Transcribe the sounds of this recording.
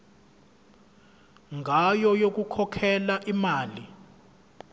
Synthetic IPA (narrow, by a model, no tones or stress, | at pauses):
ŋʱajɔjok̬ukʰɔkʰɛlaʔimaːli